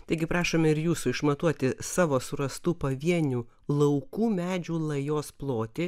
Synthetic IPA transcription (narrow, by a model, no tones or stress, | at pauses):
t̪ɐɪɡʲɪpɾɑːʃoːmʲɛɪɾjuːsʊɪʃmɐt̪uɔt̪ʲɪsɑːʋoːsʊɾɐst̪uːpɐʋʲiɛnʲuː | lˠɐʊkuːmʲæːd͡ʒʲuːlˠɐjoːsplˠoːt̪ʲɪ